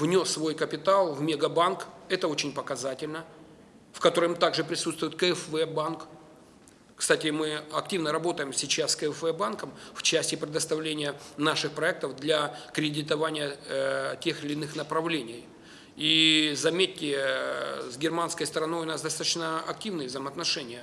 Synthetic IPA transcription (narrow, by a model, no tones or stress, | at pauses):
vnʲo̞sːvo̞jkəpʲɪt̪alˠvmʲeɡɐbankɛt̪əo̞t͡ɕɪnʲpəkɐzatʲɪlʲnə | fkɐt̪o̞ɾɨmt̪aɡʐɨpɾʲɪsut̪st̪vʊjɪt̪kəɛfvɛbank | kst̪atʲɪmɨɐk̚tʲivnəɾɐbo̞t̪əjɪmsʲɪt͡ɕasskəɛfvɛbankəmft͡ɕæsʲtʲɪpɾʲɪd̪əst̪ɐvlʲenʲɪjənaʂɨxpɾɐɛk̚t̪əvd̪lʲɐkɾʲɪdʲɪt̪ɐvanʲɪjətʲe̞xɪlʲɪːnɨxnəpɾɐvlʲenʲɪj | izɐmʲetʲːɪ | zɡʲɪrmanskəjst̪əɾɐno̞jʊnasd̪ɐst̪at̪ət͡ɕnəɐk̚tʲivnɨjəvzəjməɐt̪nɐʂɛnʲɪjə